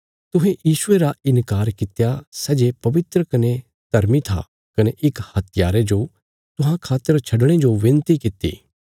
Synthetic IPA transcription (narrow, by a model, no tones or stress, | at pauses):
t̪ʊɦẽjiːʃʊeɾaɪnkaːɾkɪt̪jasɛːd͡ʒepɐʋɪt̪ɾəkɐne | t̪ɐɾmit̪ʰa̰ | kɐneʔɪkhɐt̪ʰɪjaːɾed͡ʒoː | t̪ʊɦãkʰaːt̪ːəɾt͡ʃʰɐɖɽ̃ed͡ʒoʋɪ̃nt̪ikɪt̪ḭː